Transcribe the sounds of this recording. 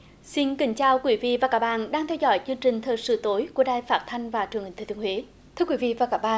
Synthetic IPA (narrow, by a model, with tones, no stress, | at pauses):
si˧nkï˧˩˦ŋ̟t͡ɕaː˧wkwi˨˦vḭ˧˨vaː˨˩kaː˦˥k̚ɓa̰ː˧˨nɗaː˧ŋt̪ʰɛ˧wzɔ̰˧˩jt͡ɕɨ˧əŋt͡ɕï˨˩ŋ̟t̪ʰəː˨˩jsɨ̰˧˩t̪o˨˦jku˧˩əɗaː˧˨jfaː˦˥t̚t̪ʰa˧jŋ̟vaː˨˩t͡ɕɨ˨˩əŋhi̟˨˩t̪ʰːt̪i˧˨˧hwe˨˦ | t̪ʰɨ˧əkwi˨˦vḭ˧˨vaː˨˩kaː˦˥k̚ɓa̰ː˧˨n